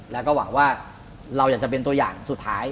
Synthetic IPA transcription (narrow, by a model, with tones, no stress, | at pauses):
lɛː˦˥kɔː˥˩wa˩˦ŋwaː˥˩ | ɾa˧wjaː˨˩k̚t͡ɕa˨˩pe˧nt̪u˧ɐja̰ː˨˩ŋsu˨˩t̪ʰːaː˦˥j